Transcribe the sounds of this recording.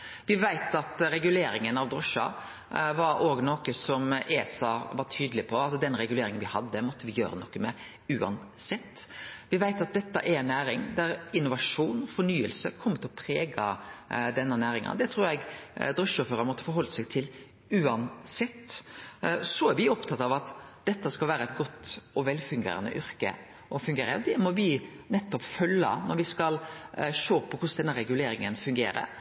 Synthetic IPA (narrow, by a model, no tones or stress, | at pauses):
ʋɪʋæɪt̪ɑt̪ɾɛɡʉleːɾɪŋənɑʋd̪ɾɔʂɑ̰ | ʋɑɾoːɡnoːkəsɔmʔeːsɑʋɑʈʰyːd̪əlɪpʰɔɑsɔd̪ɛnɾɛɡʉleːɾɪŋənʋɪhɑd̪ːəmɔt̪ʰːəʋɪjøːɾənɔkːəmɛ | ʉːɑ̰n | sɛt̪ːʋɪʋæɪt̪ɑt̪̚d̪ɛt̪ːɑ̰ʔæɾɛnːæːɾɪŋd̪æɾɪnːʊʋɑʂuːnfɔɳyːəlsəkʰɔmːət̪ʰɪlɔpʰɾeːɡɑd̪ɛnːənæːɾɪŋɑ̰nd̪ɛt̪ʰɾuːɾɛɡd̪ɾœʂɔføːɾəmɔt̪ːə̥fɔɾɦɔlːəsɛɪt̪ʰɪl | ʉːɑnsɛt̪ː | sɔæɾʋɪɔpt̪ʰɑt̪ːɑʋɑt̪d̪̥ɛt̪ːəskɑlʋæːɾəɛt̪ɡɔt̪ːɔʋɛlfʉŋɡḛːɾɑ̰nə̰ʔʏɾkə̰ | ʔɔfʉŋɡeːɾə̰d̪ɛmɔbiːnɛt̪ːɔpfœlːɑ̰nɔɾʋɪskɑlʂoːpʰɔkʰʊsd̪ɛnːəɾɛɡʉleːɾɪŋənfʉŋɡḛːɾə̰ɾ